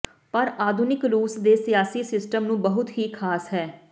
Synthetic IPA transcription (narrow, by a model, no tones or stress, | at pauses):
pəɾaːd̪ʱʊnɪkɾuːsd̪eːsijaːsiːsɪsʈəmnũːbəɦʊt̪ɦiːkʰaːsɦɛː